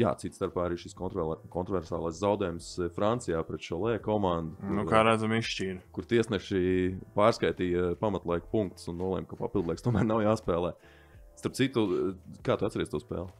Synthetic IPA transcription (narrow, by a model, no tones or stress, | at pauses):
ja̰ːt̪sit̪st̪aɾpaːaɾiːʃiskɔnt̪ɾkɔnt̪ɾɔvɛɾsa̰ːlˠajszawd̪ɛːjumsfɾant̪sijaːpɾɛt̪ʃuɔlˠɛːkɔmãnd̪uknukaːɾæd̪zamisʃciːɾkuɾt̪iɛsnɛʃipaːɾskajt̪iːjpamɐt̪lˠajkpuŋk̚t̪sunːuɔlˠɛ̰mkapa̰pilˠd̪lˠɛkst̪uɔmæːɾnawjaːspɛːlˠɛː | st̪aɾp̚t̪sit̪ukaːt̪uat̪sɛɾiɛst̪uɔspɛ̰ːlˠ